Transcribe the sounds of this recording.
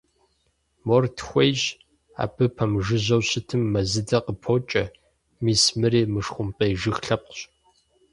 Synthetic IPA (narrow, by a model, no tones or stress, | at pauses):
mɔrtʰxʷejʒ | a̰ːbɨpʰɐmʒɨʑɐwɕɪtʰɨmːɐzɨdɐqəpʰoːt͡ʃʼɐ | miːsmɨɾeːmɨʂxʷʊmpʼeːʒɨxɬɐp̚qɕ